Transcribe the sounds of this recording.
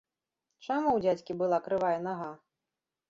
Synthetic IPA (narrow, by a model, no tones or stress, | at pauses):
t͡ʂamuwd͡zʲat͡sʲkʲibɨlˠakɾɨvajɛnaɣa